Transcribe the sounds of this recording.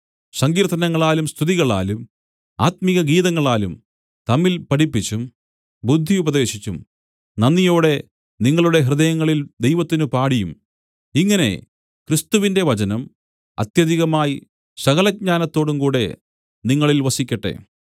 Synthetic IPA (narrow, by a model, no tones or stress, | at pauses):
sɐŋɡiːɾt̪ːɐnɐŋːɐɭaːlumst̪ʰiðiɣɐɭa̰ːlum | a̰ːt̪miɣɐɡiːðɐŋːɐɭaːlum | t̪ɐmːilpɐɽipːit͡ɕːum | bud̪ʱːiubɐðe̞ːɕit͡ɕːum | nɐnːijoːɽe̞ | niŋːɐɭuɽe̞ɦrɨðɐjɐŋːɐɭild̪ejʋɐt̪ːinɨpaːɽijum | iŋːɐne̞̰ | kɾist̪uʋinde̞ʋɐt͡ɕɐnɐm | ɐ̰t̪jɐðiɣɐmaːji | sɐɣɐlɐd̚ɲaːnɐt̪ːo̞ːɽumkuːɽe̞ | niŋːɐɭilʋɐsikʲːɐʈːḛ